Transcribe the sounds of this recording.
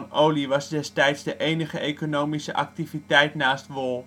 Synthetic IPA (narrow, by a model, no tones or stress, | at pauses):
nʔowlivɐsdɛstɛjtsdəʔejnəχəʔekonowmisəʔɐk̚tivitɛjtnaːstvɔlˠ